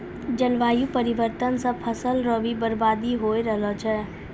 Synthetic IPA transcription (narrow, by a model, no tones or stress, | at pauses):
d͡ʒəlʋaːjũpəɾɪʋəɾt̪ənsə̃pʰəsəlɾəbʱibəɾbaːd̪iɦoːeɾəɦlət͡ʃʰɛː